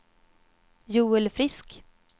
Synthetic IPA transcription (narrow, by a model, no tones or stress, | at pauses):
juːɛlfɾɪsk